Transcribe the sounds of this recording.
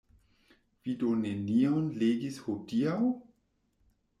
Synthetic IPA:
v̥idoneniawnleːɡishodiaw

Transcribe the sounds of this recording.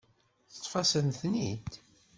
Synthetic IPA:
θə̥t̪ˤːfɑsənθnid̪

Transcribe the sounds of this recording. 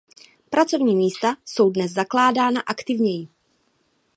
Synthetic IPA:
pɾat͡so̞vɲiːmiːst̪aso̞wdnɛzzaklaːdaːnaʔakt̪ɪvɲɛjɪ

